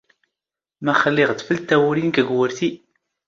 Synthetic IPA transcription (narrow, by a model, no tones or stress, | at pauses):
mæχəlːɪʁt̪fəlt̪ːæwɾinkəɡwəɾθi